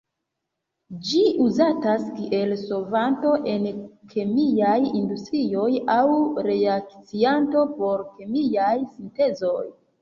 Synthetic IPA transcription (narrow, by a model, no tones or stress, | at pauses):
d͡ʒiʔuzataskiʔe̞lso̞vanto̞ʔe̞nkʰemiajindustɾio̞jawɾe̞ak̚t͡sianto̞po̞ɾkemijajsinte̞zo̞j